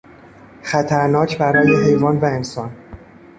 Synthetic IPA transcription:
xæt̪ʰæɾnɒːcʰbæɾɒːje̞ɦe̞jvɒːnvæe̞nsɒːn

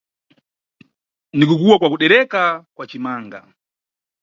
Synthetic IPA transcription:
nikukuwakwakuɗɛɾɛkakwat͡ʃimaːŋɡa̰

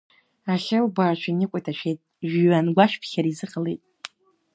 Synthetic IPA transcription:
aχʲɪlbaːrt͡ʃʷʰainɨkʷʼajtʰaʃʷᶣʰejtʼʒɥanɡʷaʃᶣpʰχʲaɾizɨqʼalejtʼ

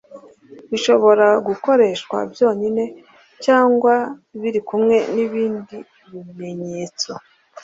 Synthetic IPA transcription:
βiʃo̞βo̞ɾaɡuko̞ɾe̞ʃkwa̰bjo̞ːɲine̞ | caːŋɡwaβiɾikumŋe̞niβiːndi | βime̞ɲe̞ːt͡so̞

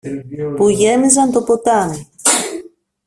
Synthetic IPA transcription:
puʝe̞mizɐnt̪opot̪ɐni

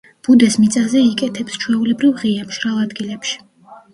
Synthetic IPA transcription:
b̥ud̪ɛsmit̪sʼazɛikʼɛt̪ʰɛpst͡ʃʰwɛulɛbɾivʁiamʃɾalˠad̪ɡilɛpʃi̥

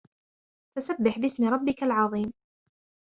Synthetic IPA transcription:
t̪asabːɪħbɪsmɪɾˤɑbːɪkalʕɑðˤiːm

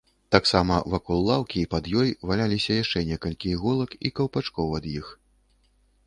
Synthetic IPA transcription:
t̪aksamɐvakɔlˠːawkʲiːpɐd̪jɔjvalʲalʲisʲɐjaʂt͡ʂɛnʲɛkɐlʲkʲiɣɔlˠɐkikɐwpat͡ʂkɔwɐd̪jix

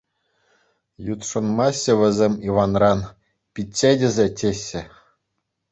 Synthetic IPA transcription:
jut̪ʂɤ̆nmɑɕʲːɘ̆ʋʲɘ̆zʲemʲiʋɑnrɑn | pʲitʲt͡ɕːedʲɘ̆zʲetʲeɕːɘ̆

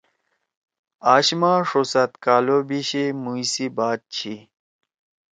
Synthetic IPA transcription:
aːɕmaːʂosat̪kaːlobiɕimujsibaːt̪̚t͡ɕʰi

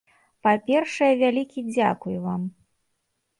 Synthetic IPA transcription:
papʲɛrʂɐjɛvʲalʲikʲid͡zʲakujuvam

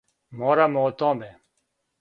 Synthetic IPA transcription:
moːɾamot̪õːbeː

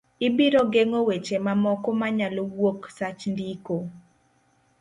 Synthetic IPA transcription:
ibiɾoɡeŋowet͡ʃemamɔkɔmaɲalowoksat͡ʃndiko

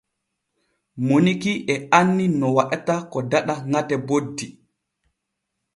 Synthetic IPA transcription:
monikiʔɛanːinɔwaɗtakɔdaɗaŋatɛbodːi

